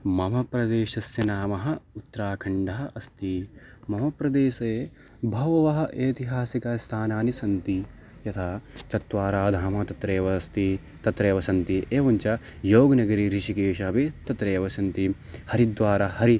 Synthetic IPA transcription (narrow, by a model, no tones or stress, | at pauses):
mɐmɐpɾɐd̪eːʃɐsjɐnaːmɐɦɐ̆ut̪ːɾaːkʰɐɳɖɐɦɐʔɐst̪i | mɐmɐpɾɐd̪eːʃɐ | bʱɐʋɐʋɐɦɐ̆ʔeːt̪iɦaːsikɐst̪ʰaːnaːnisɐnt̪i | jɐt̪ʰaːt͡ʃ̪ɐt̪ʋaːɾaːd̪ʱaːmɐt̪ɐt̪ɾeːʋɐst̪i | t̪ɐt̪ɾeːʋɐsɐnt̪iʔeːʋɐɲt͡ʃɐjoːɡɐnɐɡɐɾiɾiʃikeːʃɐɐbit̪ɐt̪ɾeːʋɐsɐnt̪i | hɐɾid̪ʋaːɾɐhɐɾi